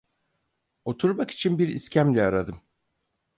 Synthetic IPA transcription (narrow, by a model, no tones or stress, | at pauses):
o̞t̪ʰuɾmaki̥t͡ʃʰinbiɾḭscʰæmlʲɛaɾad̪ɯm